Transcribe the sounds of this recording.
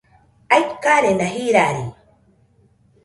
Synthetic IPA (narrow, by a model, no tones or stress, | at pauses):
ajkaɾenaɦiɾaɾi